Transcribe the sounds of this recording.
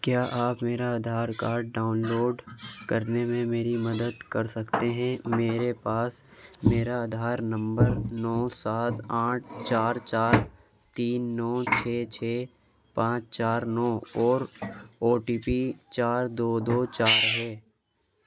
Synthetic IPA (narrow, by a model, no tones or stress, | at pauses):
kjaːʔaːpmeːɾaəd̪ʱaːɾkaːɖɖaːʊnloːɖkɐɾnemẽmeːɾimɐd̪əd̪kɐɾsɐkt̪eɦɛ̃meːɾepaːsmeːɾaəd̪ʱaːɾnɐ̃mbəɾnɔːsaːt̪aːʈ̚ʰt͡ʃaːɾt͡ʃaːɾ | t̪iːnːɔːt͡ʃʰeːt͡ʃʰeː | pãːt͡ʃt͡ʃaːɾnɔːɔːɾoːʈiːpit͡ʃaːɾd̪oːd̪oːt͡ʃaːɾɦɛː